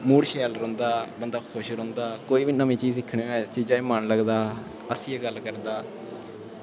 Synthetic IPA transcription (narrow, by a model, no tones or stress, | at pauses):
muːɽʃɛːlɾɔ̃ːnd̪aːbənd̪aːkʰʊʃɾõːnd̪aːkoːiːʋiːnəmĩːt͡ʃiːzɪkʰːɳẽɛ̃ːt͡ʃiːd͡ʒãːẽːmənləɡd̪aː | əsĩːɛːɡəlkəɾd̪aː